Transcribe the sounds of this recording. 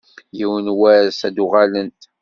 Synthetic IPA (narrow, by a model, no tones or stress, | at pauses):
jiwənwæɾsæd̪uʁalənt̪